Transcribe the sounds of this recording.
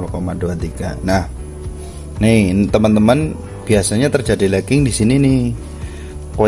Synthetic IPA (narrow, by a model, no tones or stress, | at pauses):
lokomaduat̪iɡanah | nɪt̪əmənt̪əmən | b̥iasaɲat̪ərd͡ʒadilakɪŋdisininɪh | ko